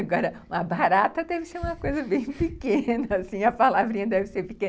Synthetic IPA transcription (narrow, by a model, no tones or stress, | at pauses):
aɡɔɾɐũmɐbaɾat̪ɐd̪ɛvɪseɾũmɐkojzɐbẽj̃pikẽnɐasĩɐpalavɾĩɲɐd̪ɛvɪseɾpɪkẽn